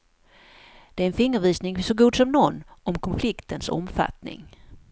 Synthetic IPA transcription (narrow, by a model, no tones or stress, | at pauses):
d̪̥ɛæɾɛnfɪŋːəɾviːsnɪŋsɔɡuːd̪sɔmnɔnːɔmkʰɔnflɪkt̪ənsɔ̰mfa̰t̪nɪ̰ŋ